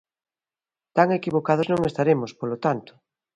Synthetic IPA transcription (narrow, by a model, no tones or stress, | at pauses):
t̪aŋekiβokaðʊznõŋest̪aɾemʊspolot̪ant̪ʊ̥